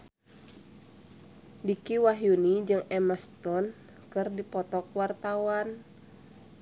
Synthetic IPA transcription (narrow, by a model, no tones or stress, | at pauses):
dikiwaɦjunid͡ʒɨŋɛmast̪ɔn | kɨrdipɔt̪ɔkwart̪awan